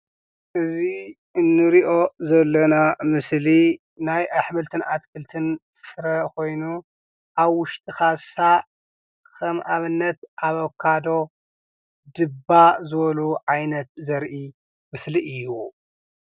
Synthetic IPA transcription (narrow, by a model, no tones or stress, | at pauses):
ʔɨzi | ɨnːɨɾiʔo̞zɐlːɐnamɨsli | najʔaħmɨlt̪ʰɨnʔat̪kʰɨlt̪ʰɨn | fɨɾɐko̞jnu | ʔaβwʊʃt̪ʼixasa | kʰɐmʔaβɨnːɐt̪ʔaβɐkʰːad̪o̞ | d̪ɨbːazɨβɐluʕajnɐt̪̚zɐɾʔi | mɨsliʔɨjːu